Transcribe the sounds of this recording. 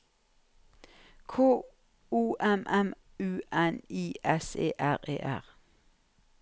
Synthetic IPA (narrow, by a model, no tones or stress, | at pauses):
kʰoː | uːʔɛmʔɛm | ʉːʔɛniːʔɛsḛːʔæʁḛːʔæ̰ʁ